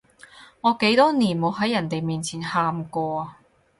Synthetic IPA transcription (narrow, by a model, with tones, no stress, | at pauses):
ŋɔː˨˧ke˨˥jt̪ɔː˥niː˨˩nmo˨˧wɦɐ˨˥jːɐ˨˩nt̪e˨jmiː˨nt͡sʰiː˨˩nhaː˨˧mkɔː˧